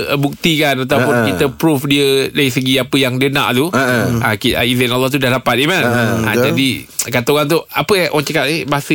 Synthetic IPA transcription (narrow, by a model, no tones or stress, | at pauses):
buk̚t̪ikanat̪̬awpunkit̪əpɾufdiədaisəɡiapəjaŋdiənã̰ʔt̪uakia̰izɪnalːɔht̪̬udahlapat̪̚imana̰d͡ʒadikat̪oɣant̪̬uapəʔw̰aŋt͡ʃəkat̪ebaɦasə